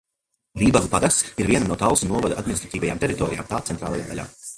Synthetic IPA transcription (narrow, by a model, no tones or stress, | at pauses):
viːbaɡupad̪akssiɾviɛnanuɔt̪awsunuɔvad̪ʔad̪minist̪ɾat̪iːvaja̰ːmt̪ɛɾit̪ɔːɾḭja̰ːmt̪aːt̪sɛnt̪ɾa̰ːlˠaja̰ːd̪a̰ʎa̰ː